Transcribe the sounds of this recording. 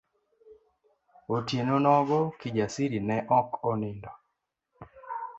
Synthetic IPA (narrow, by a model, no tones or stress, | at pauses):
otjenonɔɡɔkid͡ʒasiɾinɛʔɔkɔnɪndɔ